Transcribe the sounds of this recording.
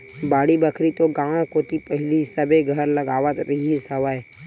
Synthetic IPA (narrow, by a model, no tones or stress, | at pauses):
baːɽibəkʰɾit̪oɡãːõkoːt̪ipəɦɪlisəbeɡʱəɾləɡaːʋət̪ɾɪɦisəʋəe